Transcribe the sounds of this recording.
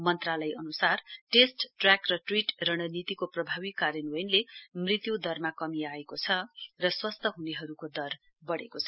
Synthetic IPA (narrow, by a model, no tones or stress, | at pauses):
mʌnt̪ralʌjʔʌnusarʈesʈʈrjakrʌʈriʈrʌɽ̃ʌnit̪ikoprʌbʱabikːaɾjʌnwjnlemrit̪jud̪ʌrmakʌmiaekot͡sʰʌrʌswʌst̪ʰʌɦuneɦʌɾukod̪ʌr | bʌɽḛkot͡sʰʌ